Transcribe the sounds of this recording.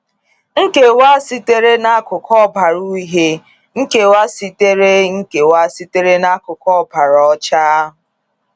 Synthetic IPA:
ŋ̩˦ke˨wa˦si˦te˦ɾe˦na˦kʊ˨kʰɔ˦ba˨ɾu˦i˦ɦe˦ | ŋ̩˦ke˨wa˦si˨te˦ɾe˦ŋ̩˦ke˨wa˦si˦te˦ɾe˦na˦kʊ˨kɔ˦˨ba˨ɾɔ˦t͡ʃa˦ɦʊ˨

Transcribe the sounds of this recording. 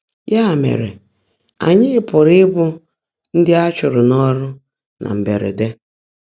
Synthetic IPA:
ja˦˨mḛ˨ɾḛ˨ | a̰˨ɲɪ˦pʊ˨ɾɪ˦bʊ˦ | n̩˦dɪ˦a˦t͡ʃʊ˨ɾʊ˨nɔ˦ɾʊ˦ | nʔa̰˨m̩˨be˨ɾḛ˨de˦

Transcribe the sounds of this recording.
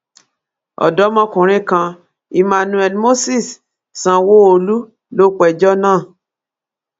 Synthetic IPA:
ɔ̰˨dɔ˨˦mɔ̃˦kũ˨ɾ̃ĩ˦kã˧ | i˧mã˧nũ˧˦ɛ˧˦mo˦si˦˨s | sã˧wo˦o˧lu˦ | lo˦k͡pɛ˨d͡ʒɔ˦nãː˦˨

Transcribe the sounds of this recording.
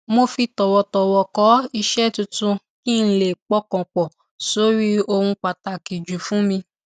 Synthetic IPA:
mo˧fi˧tɔ˨wɔ˨tɔ˨wɔ˨kɔ˨˦i˧ʃɛ˦˨tu˧tũ˧ | kĩ˦˧n̩˦le˨k͡pɔ˦kɔ̃˨k͡pɔ˨ | so˨˦ɾi˦o˧hũ˧k͡pa˨ta˨ki˨d͡ʒu˨fũ˨˦mĩ˧

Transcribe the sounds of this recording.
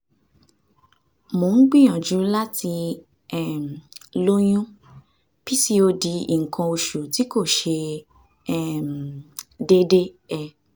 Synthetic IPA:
mo˨n̩˦ɡ͡bĩ˦˨j̃ã˨d͡ʒu˨˦la˦ti˧ | ɛ˨m̩˨lo˦j̃ũ˦ | pi˦si˦o˧di˧ḭ˨ŋ̩˨kʰã˧o˧ʃu˨ti˨˦ko˦˨ʃe˧ | ɛ˨m˨de˦de˦ | ɛ˧

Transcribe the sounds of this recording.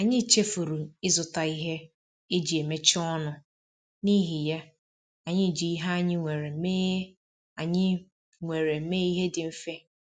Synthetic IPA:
a˨ɲɪ̃˦˨t͡ʃʰe˦fo˨ɾu˨ɪ˦zʊ˨ta˨i˦ɦɛ˦ | e˦d͡ʑi˨e˨me˦t͡ʃʰɪ˦ɔ˦nʊ̃˨ | nĩ˦ɦi˨ja˦ | a˨ɲɪ̃˦˨d͡ʒi˨˦ɦa˦ɲɪ̃˦ŋʷɛ˨ɾɛ˨˦me˦ | a˨ɲɪ̃˦ | ŋʷe˨ɾɛ˨˦meː˦i˦ɦɛ˦dɪ˨m̩˦fɛ˦

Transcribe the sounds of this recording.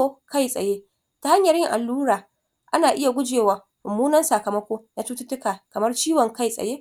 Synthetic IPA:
o˦ka˦jsʼɐ̰˨jeː˦ | ta˨ha˦ɲjɐ˨ɾɪ˦ŋʔa̰˨lːuː˦ɽaː˨ | ʔa˦naː˨ʔɪ˦ja˨ɡʷʊ˦d͡ʒeː˨waː˨ | ʔʊ˨mːuː˦nɐ˦nsa˨kɐ˨mɐ˦kʷoː˦na˨tʊ˦tʊ˦tʊ˦kaː˨kɐ˨mɐ˦rt͡ʃiː˦wɔ˨ŋka˦jsʼɐ̰˨jeː˦

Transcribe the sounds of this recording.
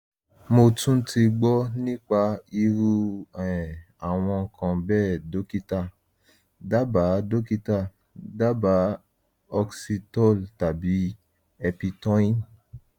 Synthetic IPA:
mo˧tũ˦ti˧ɡ͡bɔ˦nĩ˦k͡pa˧i˧ɾu˦ɛ˨ | a˨w̃ɔ̃˧ŋ̩˧kʰã˧bɛː˦˨do˨˦ki˦ta˦˨ | da˦ba˨˦do˦ki˦ta˦˨ | da˦ba˨˦ | ɔ˧ksi˧tɔ˦˨lta˨bi˨˦ | ɛ˧pi˧tɔ̃˦ĩ˦

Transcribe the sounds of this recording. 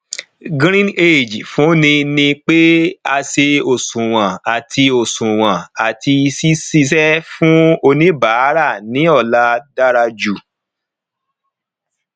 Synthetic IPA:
ɡɾ̃ĩ˦ne˦˨d͡ʒfũ˨˦nĩ˧nĩ˧k͡pe˦a˧ʃe˧o˨sũ˨w̃ã˨a˨tʰi˧o˨sũ˨w̃ã˨a˨ti˧si˦si˦˧sɛ˦fũ˦o˧nĩ˦ba˨˦ɾa˦˨nĩ˨˦ɔ˦˨la˦da˦ɾa˧d͡ʒu˨

